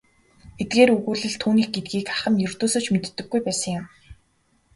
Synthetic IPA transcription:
et̪̚ɡeːɾɵɣuːɮɘ̆ɮt̪ʰuːniːxɡet̪̚ɡiːkaχə̆mjɵr̥t̪oːsoːt͡ɕmet̪ːɵ̆ɡːujpæːsə̆ŋjʊm

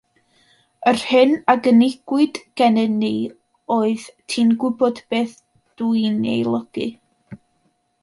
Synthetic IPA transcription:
ərhɨnaɡənɪɡ̥wɨd̥ɡ̥ɛnɛni | oːɨðtʰiːnɡɪbɔdb̥eːθ | d̥ujnḛjlˠəɡ̥ɨ

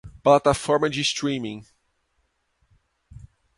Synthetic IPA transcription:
plat̪afɔɾmɐd͡ʒist̪ɾĩmĩŋ

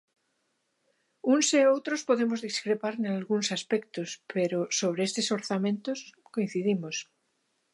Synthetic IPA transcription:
unseowt̪ɾospoðemozðiskɾepaɾnalɣunsaspek̚t̪ospeɾosoβ̞ɾeest̪esoɾθamẽnt̪oskoĩn̟θiðimos

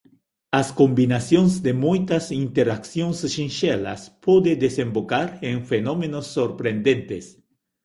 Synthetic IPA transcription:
ɐskõmbinasjõŋzd̪emujt̪ɐsint̪eɾaksjõŋsʃĩnʃɛlɐ̰spod̪ed̪esẽmbokaɾẽŋfenomenosːoɾpɾẽnd̪ẽnt̪es

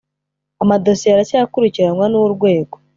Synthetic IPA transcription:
amado̞sieɾasakuɾiciɾanŋwanuuɾɡwe̞ːɡo

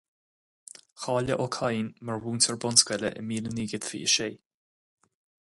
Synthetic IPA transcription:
xɑːləʔɔkʰajnməɹwuːnsəɹbɔnskwɛlə̰ʔə̰miːləniːɡət̪fḭə̰ʃeː

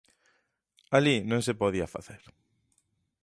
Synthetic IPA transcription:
alinõŋsepoðiafa̰θeɾ

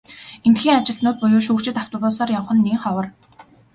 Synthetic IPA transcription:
ent̪xiːŋat͡ɕɪ̆ɬt̪nʊːt̪̚pʊjʊːʃuːkt͡ɕɪ̆t̪awt̪ə̆rʊːsaːrjɔɴχə̆nːiŋχɔwə̆r

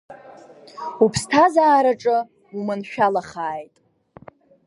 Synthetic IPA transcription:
upʰstʰazaːɾaʈ͡ʂʼɨ | umɨnʃᶣalaχaːjtʼ

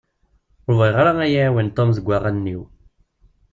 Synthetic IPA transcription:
oɾviʁɾaæjawint̪ˤːomzəɡʷːaʁænːiw

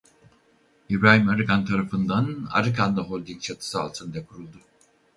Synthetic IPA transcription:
ibɾaːhimaɾɯkant̪ʰaɾafɯnd̪ana̰ɾɯkʰand̪aɦolʲd̪iŋt͡ʃʰat̪ʰɯ̥sɯa̰lˠt̪ʰɯnd̪akʰuɾulˠd̪u

